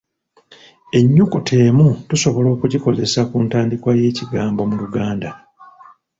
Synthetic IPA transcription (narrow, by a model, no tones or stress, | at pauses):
e̞ɲːukutʰe̞ːmutuso̞βo̞lo̞ːkuɟiko̞ze̞sakuntaːndikwaje̞ːciɡaːmbo̞muluɡaːnda